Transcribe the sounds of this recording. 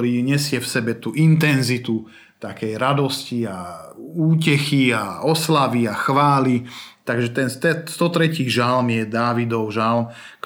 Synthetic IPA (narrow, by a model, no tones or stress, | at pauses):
ɾiːɲɛsɪɛfsɛbɛt̪uʔint̪ɛnzit̪u | t̪akɛjɾad̪ɔsciauːcɛxiaɔslaʋiaxʋaːlit̪aɡʒɛt̪ɛnst̪ɛst̪ɔt̪ɾɛciːʒalmjɛd̪aːʋid̪ɔʊʒalm | k